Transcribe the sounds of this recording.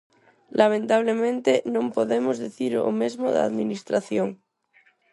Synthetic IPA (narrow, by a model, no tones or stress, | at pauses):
lʔamẽnt̪aβlemẽnt̪enõmpoðemozðeθiɾo̰mezmoða̰ðminist̪ɾaθjoŋ